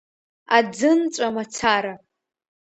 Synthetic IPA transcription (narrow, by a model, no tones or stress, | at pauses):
ad͡zɨnt͡ʃʷʼamat͡sʰaɾa